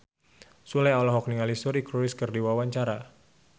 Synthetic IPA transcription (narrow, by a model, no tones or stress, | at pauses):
sulajalɔɦɔk̚niŋalisuɾikɾuɪskərdiwawaɲt͡ʃaɾa